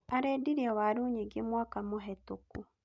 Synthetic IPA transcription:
aɾediɾiɛwaɾuːɲiɡemwakamoɦɛtoku

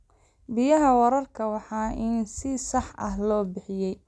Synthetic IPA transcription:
bɪjɐɦɐwɐɾɐrkʰɐwɑħɑːʔinsɪsɑħʔɐ̰ɦlɔːbɪħɪjɛj

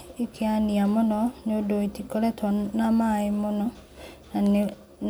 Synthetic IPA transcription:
ikʰeaniamonɔɲodoitikoɾɛtʰɔnamaemonɔ | nae

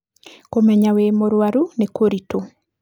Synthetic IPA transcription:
komɛɲawemoɾwaɾunekoɾito

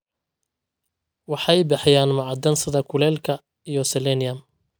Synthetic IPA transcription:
wɑħɑjbɑħjaːnmɑʕɑd̪ɐnsɪðɐkʰʊlɛːlkʰɐ | ijɔsɛlɛnɪjɐm

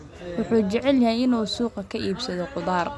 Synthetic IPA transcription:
wʊħuːt͡ʃɛʕɛljɐhɛjɪnuːsuːqɐkʰɐʔiːbsɐðɔqʊðaːr

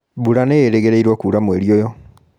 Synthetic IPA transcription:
buɾaneɾeɣeɾeiɾwɔkuːɾamweɾiojɔ

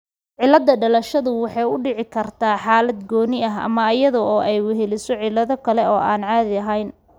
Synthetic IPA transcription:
ʕɪlːɐd̪ːɐɖɐlɐʃɐðʊwɑħɑjʊɖɪʕɪkʰɐrt̪ʰaːħaːlɐd̪ɡɔːnɪɐɦɐ̰mɐɐjɐðɔɔːʔɛjwʊɦɛlɪsɔʕɪlːɐðɔkʰɐlɛɔːʔaːnʕaːðɪɐɦɛjn

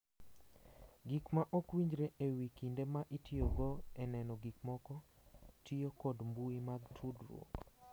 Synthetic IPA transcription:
ɡikmaʔɔkwiɲd͡ʒɾeʔewikindemaʔitioɡɔɛnɛnɔɡikmɔkɔ | tijokɔdmbuimaɡtʰudɾwo̰

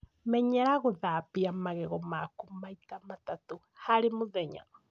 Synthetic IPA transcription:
mɛɲɛɾaɣʊðapiamaɣɛɣɔmakumaitamat̪at̪u | haɾimuðɛɲa̰

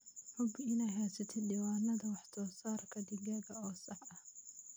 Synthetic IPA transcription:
ħʊbɪnɛjɦaːsɐt̪ʰɪdɪwaːnɐðɐwɑħt̪ʰɔːsaːrkʰɐd̪ɪɡɐɣɐɔːsɑħɐh

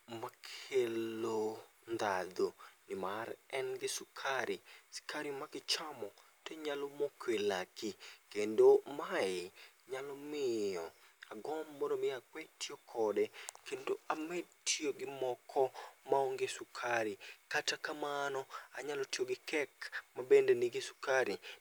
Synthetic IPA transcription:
makʰelond̪ad̪onɪmarɛnɡɪsʊkʰaɾɪsɪ̥kʰaɾɪmaɡɪt͡ʃamɔ | teɲalomokʰwelakikendomaɪɲalɔmɪɔaɡɔmːɔɾomɪakwɛtiokʰɔdɛkendoamɛdtjoɡɪmɔkʰɔmaoŋɡesʊkʰaɾɪkatakamanɔaɲalɔtijoɡɪkɛkmabendenɪɡɪsʊ̥kaɾɪ

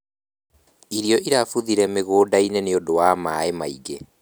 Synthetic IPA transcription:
iɾiɔʔiɾafuðiɾɛmeɣoːdaineneodowamaemaiɡe

